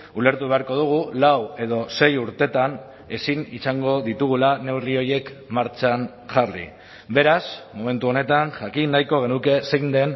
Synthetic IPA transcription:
ule̞ɾt̪uβe̞aɾko̞ð̞uɣ̞ulawe̞ðo̞se̞juɾt̪e̞t̪an | e̞sinisaŋɡo̞ðit̪uɣ̞ulane̞wrio̞je̞kmaɾt͡ʃan | ʝarḭ | be̞ɾasmome̞nt̪uo̞ne̞t̪anʝakinːajko̞ɣ̞e̞nuke̞se̞jnd̪en

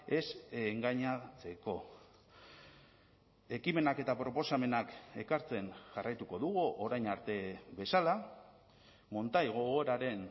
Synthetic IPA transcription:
e̞seŋɡaɲat͡se̞ko̞ | e̞kime̞nake̞t̪apɾo̞po̞same̞nake̞kaɾt͡se̞nʝarajt̪uko̞ðuɣ̞uʔoɾajnaɾt̪e̞βe̞sala | mo̞nt̪ajɣ̞o̞ɣo̞ɾaɾe̞n

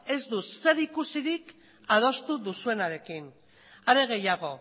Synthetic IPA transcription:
e̞zd̪use̞ɾikusiɾik | að̞o̞st̪uðusue̞naɾe̞kin | aɾe̞ɣe̞jaɣ̞o̞

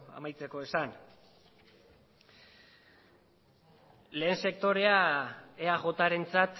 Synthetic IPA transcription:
a̰majt͡se̞ko̞e̞san | le̞ːnse̞k̚t̪o̞ɾe̞aeaɣo̞t̪aɾe̞nt͡sat̪

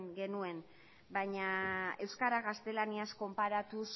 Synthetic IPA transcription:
ŋɡe̞nue̞n | bajɲae̞wskaɾaɣast̪e̞laniasko̞mpaɾat̪us

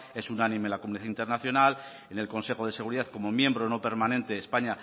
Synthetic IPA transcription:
e̞sunanĩmenlakomuniðaint̪e̞ɾnaθjo̞nal | ene̞lko̞nse̞xo̞ðese̞ɣ̞uɾiðaθko̞mo̞mjẽ̞mbɾo̞no̞pe̞ɾmanent̪e̞espaɲa

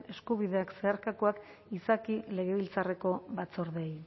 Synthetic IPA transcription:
e̞skuβiðe̞akse̞aɾkakoak | isakile̞ɣ̞e̞βilt͡sare̞ko̞βat͡so̞ɾðej

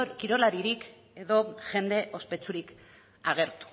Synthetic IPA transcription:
kiɾo̞laɾiɾik | e̞ðo̞ʝe̞nd̪e̞ʔo̞spe̞t͡suɾik | aɣ̞e̞ɾt̪u̥

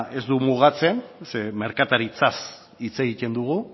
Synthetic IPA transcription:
e̞zd̪umuɣ̞at͡se̞nseme̞ɾkat̪aɾit͡sas | it͡se̞ɣic̪e̞nd̪uɣ̞u

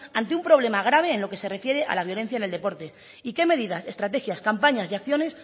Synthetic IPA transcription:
ant̪eumpɾo̞β̞le̞maɣ̞ɾaβ̞e̞ːnlo̞ke̞se̞re̞fje̞ɾe̞ʔa̰laβjo̞le̞n̟θjaeneld̪e̞po̞ɾt̪e̞ | ike̞me̞ðiðase̞st̪ɾat̪e̞xjaskampaɲasiakθjo̞ne̞s

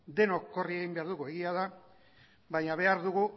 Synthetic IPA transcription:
d̪e̞no̞kːo̞rieɣimbe̞aɾðuɣue̞ɣiaða | βaɲaβ̞e̞aɾðuɣu

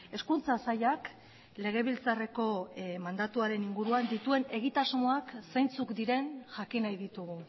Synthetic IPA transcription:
e̞skunt͡sasaʎak | le̞ɣ̞e̞β̞ilt͡sare̞ko̞mand̪at̪uaɾe̞niŋɡuɾuand̪it̪ue̞ne̞ɣ̞it̪azmo̞aksajnt͡sukd̪iɾe̞nʝakinajðit̪uɣ̞u

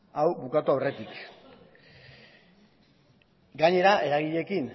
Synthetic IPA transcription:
awbukat̪uawre̞t̪ik | ɡaɲe̞ɾaʔe̞ɾaɣ̞iʎe̞kin

